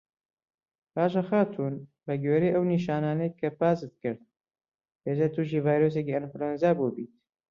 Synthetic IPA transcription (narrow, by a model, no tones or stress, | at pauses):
paːʒɐxaːt̪ʰuːn | bɐɡɥeːɾejʔɐwniːʃaːnaːnɐjkʰɐpaːzɨt̪̚kɨɾd̪̚ | heːzɐt̪ʰuːʃ̬iːvaːjɾos̬eciɪnfɾonzaːbubiːt̪̚